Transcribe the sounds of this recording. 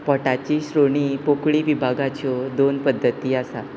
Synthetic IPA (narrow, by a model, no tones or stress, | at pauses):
pɔʈat͡ɕiːɕɾoɽipokɭiːʋibʱaɡat͡ɕɔd̪onpəd̪ʱːət̪iːasa